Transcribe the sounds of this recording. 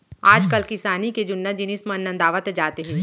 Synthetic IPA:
aːd͡ʒkɐlkɪsaːniked͡ʒʊnːad͡ʒɪnɪsmeɐnːə̃nd̪aːʋət̪d͡ʒaːt̪eɦɛ̃ː

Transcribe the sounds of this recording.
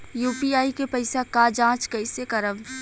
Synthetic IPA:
juːpiaːikepɐɪsakad͡ʒãːt͡ʃkɐɪsekɐɾəʋ

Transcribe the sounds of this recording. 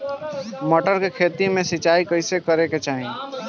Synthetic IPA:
məʈəɾkekʰeːt̪imẽsɪt͡ʃaːikəɪsekəɾeket͡ʃaːɦĩ

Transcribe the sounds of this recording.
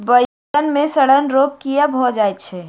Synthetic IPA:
bə | ənmẽsəɽənɾop̚kijabʱɦod͡ʒajt̪̚t͡ʃʰɛ

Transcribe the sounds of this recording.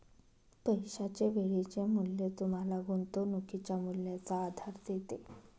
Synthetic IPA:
pəjɕat͡ɕeʋeɭit͡ɕemulːet̪um̤alaɡunt̪onukʰit͡ɕamulnjat͡saːd̪ʱaɾd̪et̪e

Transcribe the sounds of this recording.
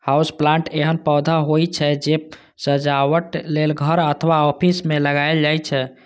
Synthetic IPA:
hausplãɳʈeɦənpəd̪ʱaɦojt͡ʃʰɛd͡ʒe | səd͡ʒaʋəʈlelɡʱəɾət̪ʰʋaɔpʰismeləɡajld͡ʒajt͡ʃʰɛ

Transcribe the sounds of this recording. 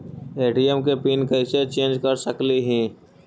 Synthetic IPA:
eːʈijəmkepiːnkɛɪset͡ʃẽːnd͡ʒkɐɾsəkliɦĩː

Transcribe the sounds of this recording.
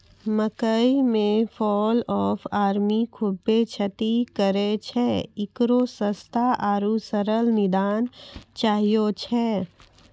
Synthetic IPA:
məkəimẽfʰɔːlɔːfʰaːɾmikʰʊbːet͡ʃʰət̪ikəɾet͡ʃʰɛɪkɾosəst̪ʰaʔaːɾusəɾəlnɪd̪aːnt͡ʃaːɦijot͡ʃʰɛ

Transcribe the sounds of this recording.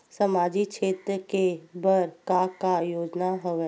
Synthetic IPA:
səmaːd͡ʒiʃʰeːt̪ɾəkebəɾkakajoːd͡ʒnaɦoʋɛː

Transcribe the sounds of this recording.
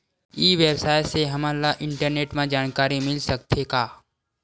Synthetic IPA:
iːʋeːbsaːjseɦɐmaːlaʔɪ̃ɳʈəɾneːʈmãd͡ʒaːnkaːɾimɪlsək̚t̪ʰekaː

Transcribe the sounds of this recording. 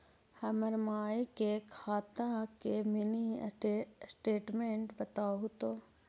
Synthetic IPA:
hɐməɾmaːikekʰaːt̪akemini | sʈeːʈmẽɳʈbɐt̪aːɦʊt̪oː

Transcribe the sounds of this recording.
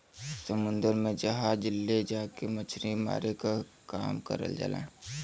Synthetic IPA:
səmʊ̃nd̪əɾmẽd͡ʒəɦad͡ʒɪlːed͡ʒaːkemət͡ʃʰɾima̰ːɾekaka̰ːmkə̰ɾə̰ld͡ʒa̰lã̰

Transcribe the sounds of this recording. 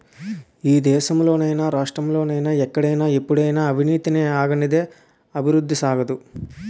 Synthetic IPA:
iːd̪ɛːsɐmlo̞ːnɐjnɐɾaːʂʈɾɐmlo̞ːnɐjnɐɛkːɐɽɐjnɐepːuɽɐjnɐːbʱiniːt̪ineːaːɡɐnid̪e̞ | ɐbʱiɾud̪ːisaːɡɐd̪u

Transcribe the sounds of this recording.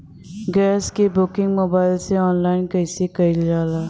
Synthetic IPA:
ɡɛːskebʊkɪ̃ŋɡmoːbaːɪlseɔːnlaːɪnkɐɪsekɐɪld͡ʒaːlaː

